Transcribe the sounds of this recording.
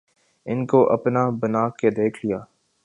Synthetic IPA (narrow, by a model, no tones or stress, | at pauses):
ɪnkoʔɐ̰pnabɐnaːked̪eːkʰlijaː